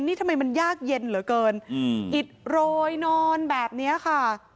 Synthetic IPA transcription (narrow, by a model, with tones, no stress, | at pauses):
niː˦˥˩t̪ʰa˧mːa˧jma˧njaː˥˩k̚je˧nlɯ˨˩˦kɤː˧nʔi˨˩t̪̚ɾoː˧jnɔː˧nbɛː˨˩p̚ni˦˥ɐkʰa˥˩